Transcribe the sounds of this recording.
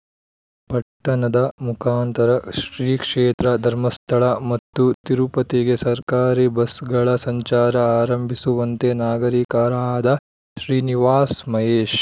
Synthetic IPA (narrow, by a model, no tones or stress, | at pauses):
pɐʈːɐɳɐd̪ɐmukʰaːnt̪ɐɾɐʃɾiːkʂeːt̪ɾɐd̪ʱɐɾmɐst̪ʰɐɭɐmɐt̪ːut̪iɾupɐt̪iɡesɐɾkaːɾibɐsɡɐɭɐsɐɲt͡ʃaːɾɐaːɾɐmbʱisuʋɐnt̪enaːɡɐɾiːkaːɾaaːd̪ɐ | ʃɾiːniʋaːsmɐɦeːʃ